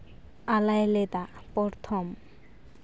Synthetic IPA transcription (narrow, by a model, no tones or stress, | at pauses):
alajelet̪apɔɾt̪ʰom